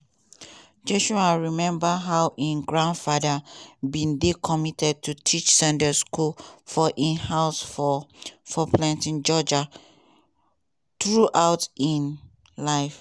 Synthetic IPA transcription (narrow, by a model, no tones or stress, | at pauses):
d͡ʒɛʃuaɹimɛ̃mbaɦaʊʔĩnɡɹãndfadəbĩndekʰɔmitɛd̚tʰutʰit͡ʃsɛ̃ndəskulfɔʔĩnhaʊs | fɔplãntĩnd͡ʒɔd͡ʒa | tɹuʔaʊtĩn | laɪf